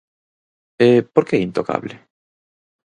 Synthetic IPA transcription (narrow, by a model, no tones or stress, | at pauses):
epoɾkeint̪oka̰βlɪ